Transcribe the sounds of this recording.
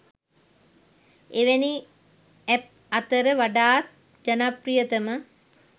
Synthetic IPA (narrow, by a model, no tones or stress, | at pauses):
eʋeni | ɛp̚ | ɐt̪əɾəʋaɖaːt̪̚ | d͡ʒɐnaprijət̪əmə